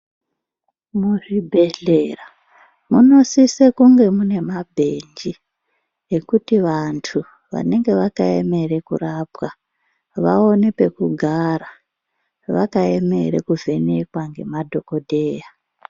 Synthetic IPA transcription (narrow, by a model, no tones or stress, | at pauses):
muʐibʱe̞ɮe̞ra | muno̞sisekuŋɡe̞mune̞mabʱe̞nd͡ʒi | ekutiʋantʰu | ʋa̰ne̞ŋɡe̞ʋakae̞̰me̞ɾe̞kuraːpwa | ʋa̰o̞nepe̞kuɡʱaɾa | ʋakae̞me̞̰ɾḛkuvʱe̞ne̞kwaŋɡe̞̰madʱo̞ko̞dʱe̞ːja